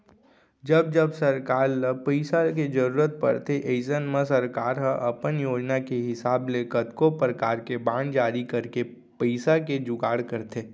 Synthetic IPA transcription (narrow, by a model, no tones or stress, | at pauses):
d͡ʒɐb̚d͡ʒəbsɐɾkaːɾəpəɪsaked͡ʒəɾuːɾət̪̚pə̰ɾt̪ʰeʔeɪsənmə̃sɐɾkaːɾɦə̃ʔɐpənjoːd͡ʒnakeɦɪsaːblekət̪kopɾəkaːɾkebãːnd͡ʒaːɾikɐɾke | pəɪsaked͡ʒʊɡaːɽkəɾt̪ʰeː